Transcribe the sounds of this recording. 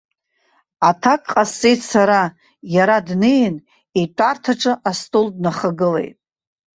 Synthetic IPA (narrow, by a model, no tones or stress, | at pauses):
atʰakʼqʼast͡sʼejtsaɾa | jaɾadnɨjn | itʷʼartʰaʈ͡ʂʼɨʔastʼoldnaχəɡɨle̞̰jtʼ